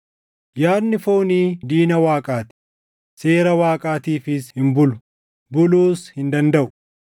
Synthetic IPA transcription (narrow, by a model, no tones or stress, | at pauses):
jaːnːɪfoːniːd̪iːnɐwaːkʼaːt̪ɪ̥ | se̞ːɾɐwaːkʼaːt̪iːfɪshɪmbʊlʊ̥ | bʊluːshɪnd̪ɐnd̪ɐʔʊ̥